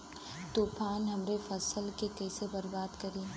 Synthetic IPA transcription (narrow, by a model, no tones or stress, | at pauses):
t̪uːpaːnɦɐmɾefɐsəlkekɛːsebɐɾbaːd̪kɐɾiː